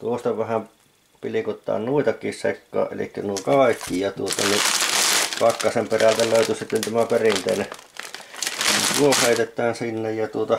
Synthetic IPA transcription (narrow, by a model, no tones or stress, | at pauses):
t̪uost̪ɑʋæhæm | pilikot̪ːˑɑ̰ːnnuit̪ɑkˑiːssḛkːo̰ːʔʔḛlḭkːænuokɑˑikːijɑt̪uot̪ɑni | pɑkːɑsemperælt̪æløˑyt̪ysit̪ːent̪æmæperint̪ḛine | t̪uoheˑit̪et̪ːˑæːnsinːejjɑt̪uot̪ɑ